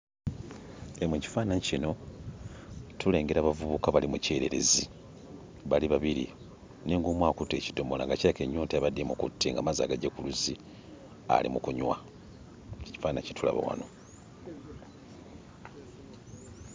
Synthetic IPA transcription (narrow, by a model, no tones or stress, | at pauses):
emweci̥faːnaɲcino̞ | tʰule̞ːŋɡe̞ɾaβavuβukaβalimuce̞ːɾe̞̰ɾe̞̰zi | βaliβaβiɾḭ | neŋɡoːmwaːkutːe̞ːci̥do̞mola̰ŋɡaciake̞ɲːoːnteaβademukṵtʰːeŋɡa̰maza̰ɡaɟekuluzi | a̰lḭmukuɲwa | eci̥faːnaɲci̥tʰula̰βa̰wa̰no̞